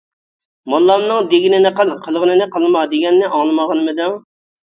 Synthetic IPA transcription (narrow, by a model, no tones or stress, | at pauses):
molˠːɑmnɨŋd̪eɡʲinɪnɨqəlˠqʰəlˠʁənɨnɨqʰəlˠmɑd̪eɡʲɛnːɪʔɑŋlˠɨmɑʁɑnmɨd̪uŋ